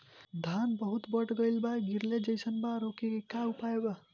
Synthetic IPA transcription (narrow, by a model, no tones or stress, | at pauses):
d̪ʱanbʌɦut̪bʌʈɡʌjlbaɡiɾled͡ʒʌjsʰʌnbaɾokikaupajeba